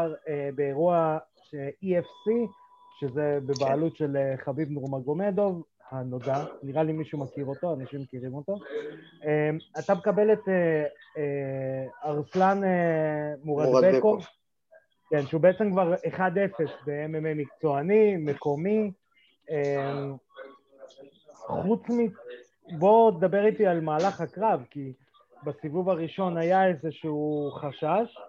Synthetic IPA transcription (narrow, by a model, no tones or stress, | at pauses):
ʁebeeʁua | ʃeiefsi | ʃe̞ze̞bebaːlutʃe̞leχabibnoʁmaɡo̞me̞d̪o̞v | hano̞daniʁalimiʃumakiʁo̞t̪o̞anaʃimːekiʁimo̞t̪o̞ | emat̪abekabe̞let̪e | aʁslanemuʁabeko | kenʃeubeet͡se̞mkvaʁeχad̪efe̞sbeemememikt͡so̞anime̞ko̞mi | em | χut͡smi | bo̞ted̪abe̞ʁit̪ialmaːlaχhakʁavki | basivuvaʁiʃo̞najaezeʃuuχaʃaʃ